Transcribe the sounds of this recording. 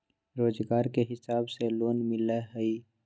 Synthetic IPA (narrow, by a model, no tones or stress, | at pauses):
ɾoːzɡaːɾkeɦɪsaːbseloːnmɪleɦəi